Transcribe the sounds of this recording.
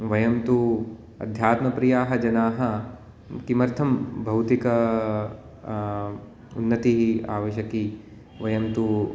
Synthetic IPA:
ʋɐjɐmt̪u | ɐ̰d̪ʱjaːt̪mɐpɾijaːɦɐ̆d͡ʒɐnaːɦɐ | kimɐɾt̪ʰɐmbʱɐwt̪ikɐ | ṵnːɐt̪iɦia̰ːʋɐʃɐki | ʋɐjɐmt̪u

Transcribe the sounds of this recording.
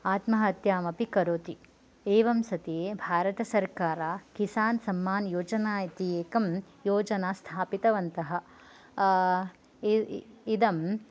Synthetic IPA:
aːt̪mɐɦɐɐt̪jaːmɐpikɐɾoːt̪i | eːʋɐmsɐt̪eebʱaːɾɐt̪ɐsɐɾkaːɾaːkisaːnsɐmːaːnjoːd͡ʒɐnaːjit̪ijeːkɐm | joːd͡ʒɐnaːst̪ʰaːpit̪ɐʋɐnt̪ɐɦɐ̆ | id̪ɐm

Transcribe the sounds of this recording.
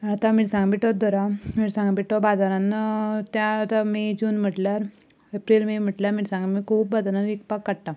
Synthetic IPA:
at̪amiːɽsãŋɡbiʈɔd̪ɔɾamiːɽsãŋɡbiʈɔbad̪aɾãnət̪jaːt̪amid͡ʑuːnm̤əʈljaɾ | epɾilmim̤əʈljamiːɾsãŋɡamiːkʰuːp̚bad̪aɾanʋikpakːaɽʈa

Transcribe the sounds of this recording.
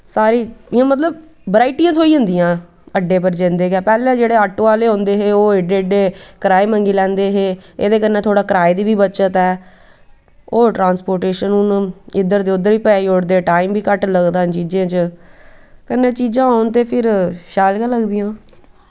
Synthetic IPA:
saːɾiːɪjãːmət̪̬ləb | bəɾaːiʈijãːt̪ʰoːiə̃nd̪ijãː | əɖeːpəɾd͡ʒẽːnd̪eːkɛːpɛːlẽːd͡ʒeːɽeːəʈːaːleːɦõːnd̪eːɦeːoːeɖeːəɖeːkəɾaːiːmə̃ŋɡiːlɛ̃ːnd̪eːɦeːḛːd̪eːkənːẽːt̪ʰoːɽaːkəɾaːid̪iːbiːbətːʃət̪ɛː | oːʈɾãːnspoːɾʈeːʃənʊnɪd̪əɾd̪eːʊd̪əɾiːpɛːioːɽd̪eːʈaːimbiːkəʈləɡd̪aːt͡ʃiːd͡ʒãːt͡ʃə | kənːẽːt͡ʃiːd͡ʒãːaːʊnt̪eːpʰɪɾʃaːlkaːləɡd̪ijãː

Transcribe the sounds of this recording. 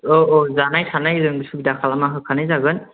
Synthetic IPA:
ɔʔɔzanajsʰanajzɯŋbisubidakʰalamaɦɯkʰanajzaɡɯn

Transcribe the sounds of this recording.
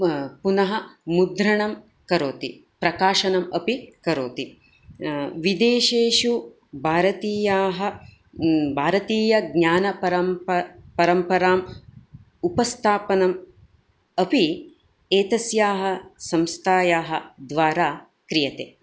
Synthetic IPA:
punɐɦɐ̆mud̪ɾɐɳɐm | kɐɾoːt̪i | pɾɐkaːʃɐnɐmɐpikɐɾoːt̪i | ʋid̪eːʃeːʃu | bʱaːɾɐt̪iːjaːɦɐ | bʱaːɾɐt̪iːjɐɡɲaːnɐpɐɾɐmpɐɾɐmpɐɾaːm | upɐst̪ʰaːpɐnɐm | ɐpi | eːt̪ɐsjaːɦɐ̆sɐmst̪ʰaːjaːɦɐ̆d̪ʋaːɾaː | kɾijɐt̪eː

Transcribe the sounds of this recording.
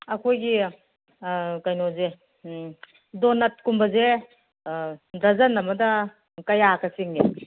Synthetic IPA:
ɐkʰojɡi | kajnoze | donɐt̚kumbɐze | dɐzɐnːɐmɐdɐ | kɐjakʰɐsiŋɡe

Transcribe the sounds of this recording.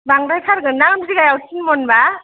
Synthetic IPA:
baŋɾajkʰaɾɡɯnaŋmziɡajawtʰinmɔnba

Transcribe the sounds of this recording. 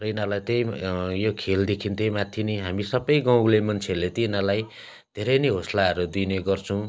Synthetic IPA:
rʌinalajt̪ejjokʰeld̪ekʰint̪ejmat̪ʰjiniɦamisʌbʌjɡãwlemʌnt͡sʰelet̪inalaj | d̪ʱeɾʌjniɦoslaʌɾud̪uneɡʌrt͡sʰʌw̃

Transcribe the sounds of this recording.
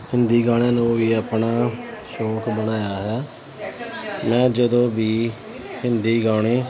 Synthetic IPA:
hɪnd̪iːɡaːɽ̃eːnũːʋiːəːpnaːʃɔːkbənaːjaːɦɛː | mɛ̃ːd͡ʒəd̪õːbiː | hɪnd̪iːɡaːɳeː

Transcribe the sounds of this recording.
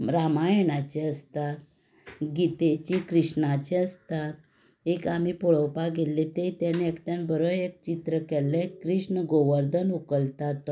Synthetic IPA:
ɾamajnat͡ɕeəst̪at̪ | ɡit̪et͡ɕikɾiʂɳat͡ɕeəst̪at̪̚ | ekam̤ipuɭəwpaɡelːet̪et̪janeekʈjãnbəɾəek̚t͡ɕit̪ɾəkɛlːẽkɾiʂɳəɡoʋəɾd̪ənukəlt̪at̪

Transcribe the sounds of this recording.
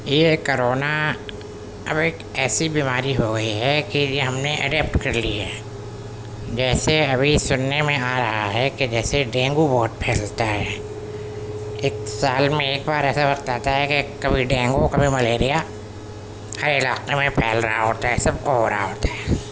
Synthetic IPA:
jekoɾoːna | ɐbeːk | ɛːsibiːmaːɾiɦoɡɐiɦɛkijeɦɐmneʔɐ̰ɖɛːp̚ʈkɐɾliɦɛ̰ː | d͡ʒɛːseɐbʱisʊnːemẽaːɾɐɦaɦɛked͡ʒɛːseɖɛ̃ːŋɡubɔːʊt̪̚pʰɛːlt̪aɦɛ | eːksaːlmẽeːk̚baːɾɛːsaʋɐqt̪aːt̪aɦɛkekɐbʱiɖɛ̃ːŋɡokɐbʱimɐleːɾija | hɐɾɪlaːqemẽpʰɛːlɾɐɦaɦoːt̪aɦɛsɐb̚koɦoːɾa̰ɦa̰ɦoːt̪aɦɛː

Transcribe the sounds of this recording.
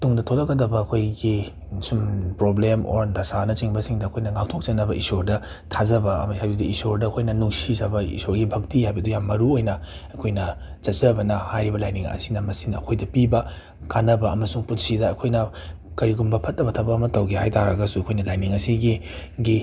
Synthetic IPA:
tuŋdɐtʰolɐɡɐdɐbɐːkʰojɡi | sumpɾoblemo̰ɾdɐsanɐt͡ʃiŋbɐsiŋdɐɐkʰojnɐŋawtʰok̚t͡ʃɐnːɐbɐʔisoɾdɐ | tʰazɐbɐhajbɐduisoɾdɐːkʰojnɐnuŋsizɐbɐḭsoɾɡibʱɐk̚tihajbɐdujamːɐɾuojnɐɐkʰojnɐt͡ʃɐt̚zɐbɐnɐhajɾibɐlajniŋɐ̰sinɐmɐsinɐɐkʰojdɐpibɐ | kanɐbɐɐmɐsuŋputsidɐːkʰojnɐ | kɐɾiɡumbɐpʰɐt̚ːɐbɐtʰɐbɐːmɐtɐwɡihajtaɾɐɡɐsuɐkʰojnɐlajniŋɐsiɡiɡi

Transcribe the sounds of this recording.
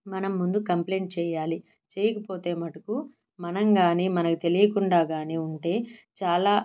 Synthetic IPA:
mɐnɐmːund̪ukɐmple̞ːɳʈ̚t͡ʃɛːjaːli | t͡ʃeːjɐkɐpo̞ːt̪eːmɐʈɐku | mɐnɐŋɡaːniːmɐnɐkut̪e̞lijɐkuɳɖaːɡaːniːuɳʈe̞ːt͡ʃaːlaː

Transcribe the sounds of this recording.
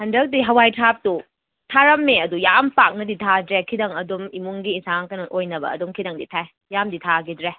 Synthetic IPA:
hɐndɐk̚diɦɐwajtʰap̚tu | tʰaɾɐmːeɐdujampak̚nɐditʰadɾekʰidɐŋɐdumimuŋɡiːsaŋkɐnɐʔojnɐbɐ̰ɐ̰dumkʰidɐŋdḭtʰae | jamditʰaɡidɾe

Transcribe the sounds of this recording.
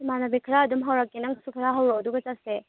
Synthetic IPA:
imanabikʰɾaːdumɦawɾak̚ːinɐŋsukʰɾaɦawɾoduɡɐt͡ʃase

